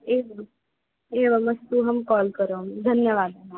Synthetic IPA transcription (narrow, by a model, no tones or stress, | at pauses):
eʋ | eʋəmɐst̪uɦɐmkɔːlkəɾomd̪ʱənjəʋaːd̪